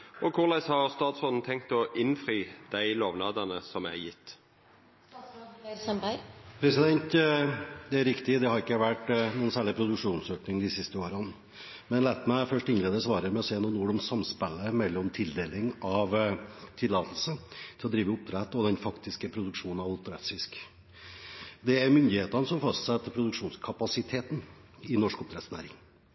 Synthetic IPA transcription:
ʔɔkʰʊʁlæɪshɑʁst̪ɑːt̪sɔln̩t̪ʰɛŋk̚t̪ɔʔɪnfɾiːd̪̥æɪloːʋnɑːd̪ɑnəsɔmæ̰jɪt̪ː | sbpʰɾɛsɪd̪ɛnt̪ | d̪ɛæɾɪkt̪ɪd̪ɛhɑɾɪkːəʋæʈnuːənsæːɭɪpʰɾʊd̪ʉkʂuːnsøːknɪŋd̪ɪsɪst̪əoːɾən | mɛnlæːt̪mæɪfœʂʈɪnleːd̪əsʋɑːɾəmɛɔseːnuːnːuːɖ̪ɔmsɑmspɛlːəmɛlːɔmt̪ʰɪld̪eːlɪŋɑʋt̪ʰɪlːɑːt̪əl̩sət̪ʰɪlɔd̪ɾiːʋəʊp̚t̪ʰɾɛt̪ːɔd̪ɛnfɑkt̪ɪskəpʰɾʊd̪ʉkʂuːnnɑʋɑlt̪ːɾɛt̪sɪsk | d̪ɛæɾmʏnd̪ɪheːt̪ɑnəsɔmfɑst̪sɛt̪ʰːəpʰɾʊd̪ʉkʂuːnskʰɑpɑsɪt̪ʰeːt̪n̩ | ɪnɔʂkʊp̚t̪ɾɛt̪snæ̰ːɾɪ̰ŋ

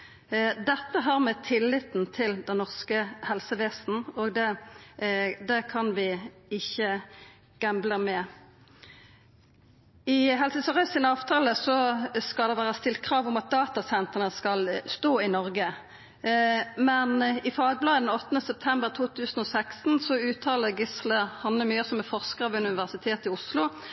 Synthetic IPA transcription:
d̪ɛt̪ːəɦɑʁmɛt̪ʰɪlːɪt̪n̩t̪ʰɪld̪ɛnnɔʁskəhɛlsəʋeːsn̩ɔɡd̪ɛ | d̪ɛkʰɑnʋɪɪçːə | ɡ̥ɛmbləmɛ | ɪɦɛlsəsəʁœsɪnəɑːʋt̪ʰɑːləsɔskɑld̪ɛʋæːʁɑst̪ɪlt̪̚kʰʁɑːʋʊmɑt̪̚d̪ɑːt̪ɑsɛnt̪əʁənəskɑlst̪oːɪnɔʁɡə | mɛnɪfɑːɡ̚blɑːd̪əd̪ɛnɔt̪ːnəsɛp̚t̪ʰɛmbəʁt̪ʰuːt̪ʰʉːsən̩ɔsækst̪n̩sɔʉːt̪ʰɑːləɡɪsləhɑnləmyːəsɔmɛfɔʁskəʁɑʋʉnnɪʋæʁsɪt̪ʰeːt̪ɪʊslʊ

